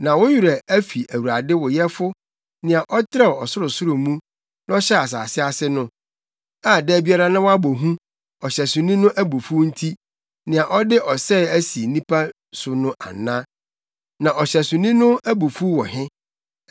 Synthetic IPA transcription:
nã˨wʊ˦ju˨ɾɛ˨æ˦fi˨ʔæ˨wu˨ɾa˨dɪ˦wɔ˨jɛ˦fʊ˦ | nɪ̃˨a˨ʔɔ˦tʰɾɛ˦˨ɔ˨sʊ˦ɾʊ˨sʊ˦ɾʊ˨mũ˦ | n˦ɔ˦ɕɛ˦a˨s̬a̰ː˨sɪ˦a˨sɪ˦nʊ̃˦ | a˦˨dɛː˦˨bi˦a˦ɾa˦nã˦wa˦bo˨ɦũ˦ | ɔ˨ɕɛ˨sʊ̃˨nĩ˦nʊ̃˦ʔæ˦bu˨fu˦n̩˦tʰi˦ | nɪ̃˨ã˨ʔɔ˦dɪ˦ʔɔ˨sɛ˦˨æ˦si˨nĩ˦pʰa˦ | sʊ˨nʊ̃˦ʔa̰˨nːã˦ | nã˨ʔɔ˨ɕɛ˨sʊ̃˨nĩ˦nʊ̃˦æ˦bu˨fu˦wɔ˨ɦɪ̃˦

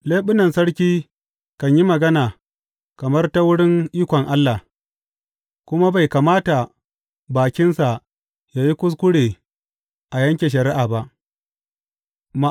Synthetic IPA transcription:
leː˦ɓʊ˦nɐ˨nsɐ˦ɽkʲiː˦ | kɐ˨ɲji˦mɐ˨ɡɐ˦naː˨ | kɐ˨mɐ˦rta˦wʊ˦ɽɪ˦ŋʔiː˦kʷɔ˨ŋʔa˦lːaː˨ | kʷʊ˦ma˦ba˨jkaː˨maː˦ta˨ | baː˨kʲɪ˦nsa˨ | jaː˨ji˦kʷʊ˦s̬kʷʊ˦ɽeː˨ | ʔa˨jɐ˦ŋkʲe˨ʃ̬ɐ˨ɾɪ˦ʔaː˨ba˦ʔ | ma˨

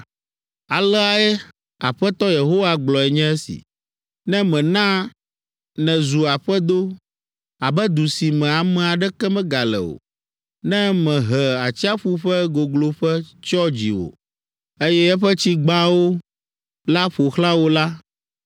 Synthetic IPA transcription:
a˨lɛ˦a˨ɛ˦ | a˨ɸɛ˦t̪ɔ˦je˨ɦo˦wa˦ɡ͡blɔ˨ɛ˨ɲɛ̃˦ɛ˦sḭ˨ | nɛ̃˦mɛ̃˨nã˦ | nɛ̃˨zu˨a˨ɸɛ˦d̪o˦ | a˨bɛ˦d̪u˨si˨mɛ̃˨a˨mɛ̃˨a˨ɖɛ˦kɛ˦mɛ̃˦ɡa˨lɛ̰˨o̰˨ | nɛ̃˦mɛ̃˨ɦɛ˨a˨t͡ɕi˦a˦ɸu˦ɸɛ˦ɡo˨ɡlo˨ɸɛ˦t͡ʃɔ˦d͡ʑḭ˨wo̰˨ | e˦jɛ˦ɛ˦ɸɛ˦t͡ɕi˦ɡ͡bã˦wo˦ | la˦ɸo˨xlã˦wo˦la˦

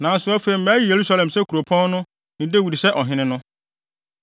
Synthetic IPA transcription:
nãː˨n˦sʊ˦ɔ˦fe˨i˨m̩˦mæː˨˦ɾi˦˨je˨ɾu˦sa˦lɛ̃˨msɛ˦kʰu˨ɾo˨pʰɔ̃˦n˦nʊ̃˦ | nɪ̃˨de˦wi˨dsɛ˦ʔɔ˨ɦɪ̃˦nɪ̃˦nʊ̃˦

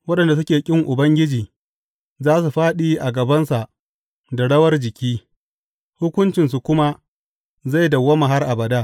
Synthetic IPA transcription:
wɐ˦ɗɐ˨nda˨s̬ʊ˦kʲeː˨kʲʼɪ˦ŋʔʊ˨bɐ˦ŋɡʲɪ˦d͡ʒiː˨ | zaː˦su˨ɸaː˦ɗiː˦ʔa˨ɡɐ˨bɐ˦nsa˨ʔ | da˨ɽɐ˦wɐ˦rd͡ʒɪ˨kʲʰiː˦ | hʊ˦kʷʊ˦nt͡ʃɪ˨ns̬u˨kʷʊ˦ma˦ | za˦˨jdɐ˨wːɐ˦ma˨ɦa˦rʔa˨bɐ˨daː˦

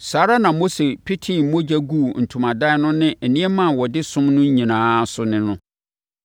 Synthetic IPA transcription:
saː˨˦ɾa˦nã˨mo˦se˨pʰi˦tʰĩ˦˨˦mõ˦d͡ʑæ˦ɡu˦˨n̩˨tʰu˨mã˨da˦nʊ̃˦nɪ̃˦ɛ˨nĩ˦ɛ˦mã˦˨wɔ˨dɪ˦sʊ̃˦mnʊ̃˦ɲĩ˨nãː˨˦sʊ˨˦nɪ̃˦nʊ̃˦

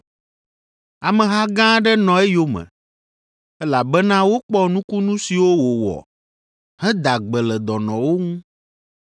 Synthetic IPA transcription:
a˨mɛ̃˨ɦa˦ɡã˦ɖɛ˦nɔ̃˨ɛ˦jo˦mɛ̰̃˨ | ɛ˦la˨bɛ˦nã˦wo˦k͡pɔ˦nũ˦ku˦nũ˦si˨wo˦wo˨wɔ̰˨ | ɦɛ˦d̪a˨ɡ͡bɛ˨lɛ˨d̪ɔ˨nɔ̃˨wo˦ŋũ˦

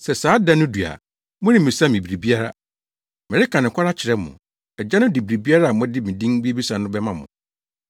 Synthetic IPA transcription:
sɛ˨saː˨˦dã˦nʊ̃˦du˨a̰˨ | mʊ̃˦nĩ˦˨mĩ˨sa˦mĩ˨bɾi˨bi˦a˦ɾa̰˦ | mɛ̃˨ɾɪ˦kʰa˨nɪ̃˨kʷʰa˦ɾa˦t͡ɕʰɪ˨ɾɛ˦mʊ̰̃˨ | ɛ˨d͡ʑa˦nʊ̃˦di˨bi˨ɾi˨bi˦a˦ɾa˦a˨mʊ̃˦dɪ˦mĩ˨dĩ˦ŋ˦bi˦e˦bi˦sã˨nʊ̃˦bɛ˦mã˨mʊ̰̃˨

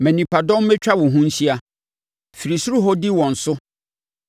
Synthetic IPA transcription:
mɛ̃˨nĩ˨pʰa˨dɔ̃˦m˦mɛ˦t͡ɕᶣa˦wʊ̃˨ɦũ˦n̩˦ɕi˦a˨ | fi˨ɾi˨su˦ɾu˦ɦɔ˦di˦wɔ̃˨n̩˨sʊ˦

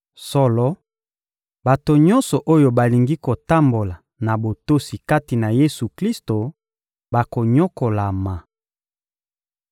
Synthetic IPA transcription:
sɔ˦lɔ˦ | ba˨to˨ɲɔ˦nsɔ˨ʔo˦jo˨ba˨li˨ŋɡi˦ko˨ta˦mbo˨la˨ | na˨bo˨to˦si˨ka˦ti˨na˨je˦su˨kli˦sto˨ | ba˨ko˨ɲo˦ko˨la˨ma˨

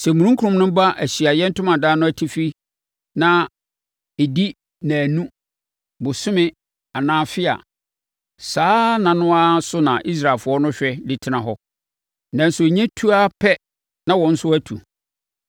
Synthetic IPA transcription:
sɛ˨mũ˨ɾũ˦ŋ˦kʰu˨˦ʊ̃˨mnʊ̃˦ba˦ʔæ˨ɕi˨a˨jɛ˦n̩˦tʊ˦mã˨daː˦nʊ̃˦æ˨tʰi˦fi˦ | nã˨ | e˨di˦ | nã˨nũ˦ | bʊ˨sʊ̃˦mɪ̃˦ | a˨nãː˨˦˨fɪ˦a̰˨ | saː˦nã˨nʊ̃˦a˦sʊ˦nã̰˨ʔi˦s̬ɾaː˨fʊ˨ɔ˦nʊ̃˦ɕᶣɛ˦li˦tʰɪ˨nã˨ɦɔ˦ | nã˨˦n̩˦sʊ˨ɲɛ̃˦tʰu˦a˦pʰɛ˦ | nã˦wɔ̃˨n̩˦sʊ˦æ˦tʰṵ˨

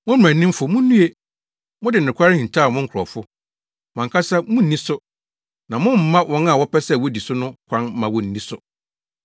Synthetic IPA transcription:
mʊ̃˦m̩˦mæ̃˨nː˦ɪ̃˦m̩˦fʊ˨mʊ̃˦nũ˦e˦ | mʊ̃˦dɪ˨n˨ɪ̃˨kʰʷa˦ɾɪ˦hĩ˨n˨tʰa˦˨mʊ̃˦ŋ̩˦kʰɔ˨fʊ˦ | mã˨ŋkʰa˦sɛ˦mʊ̃˦n̩˨nĩ˦sʊ˦ | nã˨mʊ̃˦m̩˨˦mã˦wɔ̃˦nã˨wɔ˦pʰɛ˦sɛ˦˨wɔ˦di˨sʊ˦nʊ̃˦kʷʰã˦n̩˦mã˨wɔ˨n̩ː˨˦nĩ˦sʊ˦

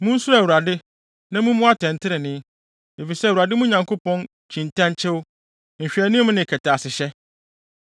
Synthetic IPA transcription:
mʊ̃˦n̩˦su˦ɾa˨wu˨a˨dɪ˦ | nã˦mʊ̃˦mʊ̃˦a˦tʰɛ̃˨n˨tʰɪ˦ɾɪ˨nɪ̃˦ | e˨fi˨sɛ˦˨wu˨ɾa˨dɪ˦mũ˦ɲã˨ŋkʰo˦pɔ̃˦n | t͡ɕʰĩ˨ntʰã˦nt͡ɕʰɪ˦wʊ˦˨ | m̩˨ɕᶣɛ˨nɪ̃˦mʊ̃˦nɪ̃˨kʰɛ˨tʰa˨sɪ˨ɕɛ˦

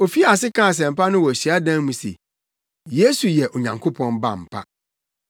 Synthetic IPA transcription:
o˨fi˦a˨s̬ɪ˦kʰãː˦a˨s̬ɛ̃˨m̩˨pa˦nʊ̃˦wɔ˨æ˨ɕi˨a˦dã˦mũ˨sḛ˨ | je˦su˨jɛ˨ʔɔ˨ɲã˨ŋkʰo˦pʰɔ̃˦nba̰˨m̩˨pʰa̰˦

